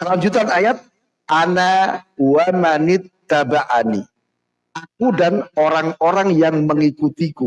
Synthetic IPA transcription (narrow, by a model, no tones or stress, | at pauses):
kəlaɲd͡ʒut̪anajat̪̚ | ʔanauwamanit̪ːabaʔani | ʔakudanoɾaŋoɾaŋjaŋməŋikut̪iku